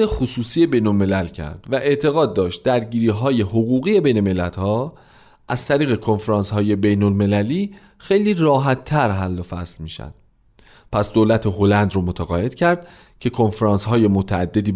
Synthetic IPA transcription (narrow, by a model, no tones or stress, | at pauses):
exusuːsiːje̞bejnolme̞lælcʰæ̰ɾd̪̥væʔe̞ʔt̪ʰe̞ɣɒːd̪̚ːɒːʃt̪̚d̪æɾɟiːɾiːɦɒːje̞ɦoɣuːɣiːe̞be̞jneme̞lːæt̪hɒː | ʔæzt̪ʰæɾiːɣe̞kʰo̞nfeɾɑːnshɒːje̞be̞jnolme̞læliː | xejliːrɒːɦæt̪ʰːæɾɦælːofæ̰slmiːʃæ̰nd̪̥ | pʰæsd̪olæt̪ʰeɦolænd̪ɾomot̪ʰæɣɒːje̞d̪̥cʰæɾd̪̥ | cʰe̞kʰo̞nfeɾɑːnsɦɒːje̞mot̪ʰææd̪ːe̞d̪iː